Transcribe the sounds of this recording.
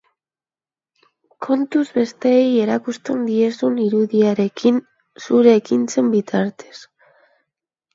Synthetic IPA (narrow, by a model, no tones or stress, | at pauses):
kʰo̞nt̪uzβe̞st̪e̞ːje̞ɾakust̪e̞nd̪ie̞suniɾuðiaɾe̞kin | suɾe̞ːkint͡se̞mbit̪ʰaɾt̪e̞̥s